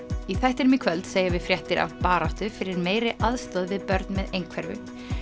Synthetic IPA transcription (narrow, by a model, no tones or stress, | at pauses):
iθɛht̪ɪɾmɪkʰvœlt̪seːjavɪðfɾjɛht̪ɪɾa̰vpaːɾaht̪ʏfɪɾɪɾmeːjɾɪʔaðst̪aðvɪðpœɾt̪nmɛðejŋkʰvɛɾvʏ̰